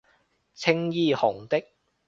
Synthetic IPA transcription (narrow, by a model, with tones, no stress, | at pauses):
t͡sʰɪ˥ŋjiː˧hʊ˨˩ŋt̪ɪ˥k̚